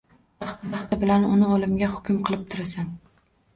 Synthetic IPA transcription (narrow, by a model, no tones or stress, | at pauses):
bɑχt̪bɑχt̪ɪbɪlanʊnɪolˠɪmɡʲahʊ̥kʲʊmqʰɨlˠɪp̚t̪ʰʊɾasan